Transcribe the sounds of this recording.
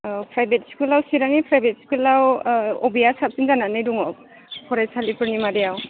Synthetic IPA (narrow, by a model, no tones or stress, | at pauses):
pʰɹajbɛtskulawsiɾaŋipʰɹajbɛtsi̥kilawɔ̰bijasap̚sinzananajduŋɔ | pʰɔɹɛsalipʰunimadɛjaw